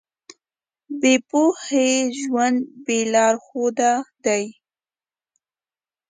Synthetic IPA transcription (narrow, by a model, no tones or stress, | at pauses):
bepoheʒwand̪belɑɾxod̪ad̪aj